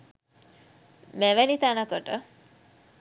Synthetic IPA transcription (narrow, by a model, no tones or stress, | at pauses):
mɛʋɛnit̪anakəʈə